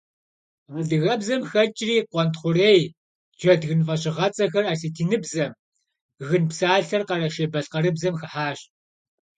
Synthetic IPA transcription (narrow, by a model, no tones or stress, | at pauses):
ʁədɨɣɐbzɐmxɐt͡ʃʼriːqʷɔntχʷʊreːj | d͡ʒɐdɣɨnfɐɕʼɪʁɐt͡sʼɐxɐraːsitʰiːnɨbzɐm | ɣɨnpsaːɬɐrqɐɾɐʃebɐɬqɐɾɨbzɐmxɐħaːɕ